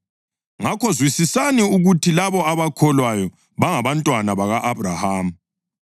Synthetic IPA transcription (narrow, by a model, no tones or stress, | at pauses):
ŋakɔzwisisaniuɣutʰilaβɔaβakʰɔlwajɔ | βaŋaβantʼwanaβaɣaʔaβrahaːm̩